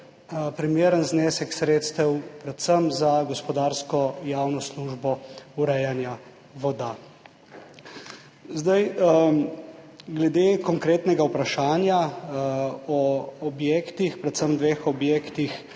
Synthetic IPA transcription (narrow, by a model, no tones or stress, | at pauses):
pɾimeːɾənzneːsɛksɾeːt̪st̪ɛwpɾɛt̪səmzaɡɔspɔd̪aːɾskɔjaːwnɔsluːʒbɔuɾɛjanja | ʋɔd̪a | zd̪aj | ɡlɛd̪eːkɔŋkɾeːt̪nɛɡawpɾaʃaːnja | ɔɔbjeːkt̪ixpɾɛt̪səmd̪ʋeːxɔbjekt̪ix